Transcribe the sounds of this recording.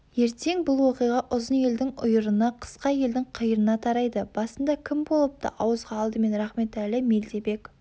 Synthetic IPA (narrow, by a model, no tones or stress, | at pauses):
je̞ɾt̪e̞ŋbʊlˠwo̞qijʁɑʔʊzənje̞ld̪ɪŋʊjəɾənəqʰə̥sqɑje̞ld̪ɪŋqʰəjəɾənɑt̪ʰɑɾɑjd̪əb̥ɑsənd̪ɑkʲʰɪmbo̞lˠəp̚t̪ɑ̰ʔɑwəzʁɑːlˠd̪əme̞nɾɑχme̞t̪ælɪme̞ld̪e̞be̞k